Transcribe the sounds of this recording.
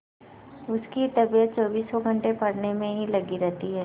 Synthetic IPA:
ʊskit̪ɐbijət̪̚t͡ʃɔːbiːsːɔɡʱɐ̃ɳʈepɐɽnemẽɦilɐɡiɾɛɦt̪iɦɛː

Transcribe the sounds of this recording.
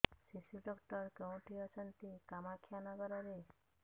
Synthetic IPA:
sisuɖɔkʈɔɾkew̃ʈʰiɔt͡ʃʰɔnt̪ikamakʰjanɔɡɔɾɔɾe

